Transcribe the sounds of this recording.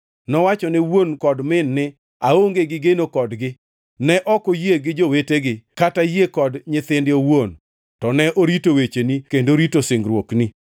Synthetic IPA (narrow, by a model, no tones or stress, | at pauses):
nɔwat͡ʃɔnɛwonkɔdmɪnːɪ | aoŋɡeɡɪɡenokɔdɡɪ | nɛʔɔkojeɡɪd͡ʒoweteɡɪkatajekɔdɲɪt̪ɪndɪowon | tɔnɛʔoɾitowet͡ʃenikendoɾitosɪŋɡɾwokni